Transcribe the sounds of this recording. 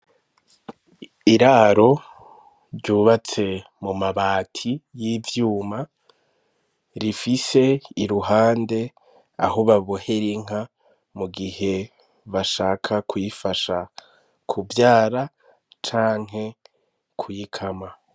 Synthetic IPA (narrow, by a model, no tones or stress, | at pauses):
iɾaːɾo̞ | ɾɟuːβat͡se̞ | mumaβaːtʰijivjuːma | ɾifise̞iɾuɦaːnde̞ | a̰hoβaβohe̞ɾiŋ̥a | muɡihe̞ | βaʃaːkʰakʰujifaʃa | kʰuvjaːɾa | t͡ʃaːŋ̥ɦe̞ | kʰujikʰama